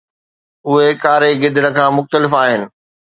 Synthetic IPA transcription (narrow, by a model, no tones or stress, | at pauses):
ʊɦekaːɾeɡɪd̪ɽ̃ə̆kʰãːmʊxt̪əlɪfaːɦɪnɪ̆